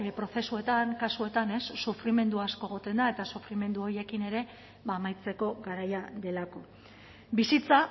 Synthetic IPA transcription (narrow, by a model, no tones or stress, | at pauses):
pɾo̞θe̞sue̞t̪aŋkasue̞t̪ane̞sːufɾime̞nd̪uasko̞eɣ̞o̞t̪e̞nd̪ae̞t̪asufɾime̞nd̪uo̞ɾje̞kine̞ɾe̞ | βaːmajt͡se̞ko̞ɡaɾajad̪e̞lako̞ | bisit͡sa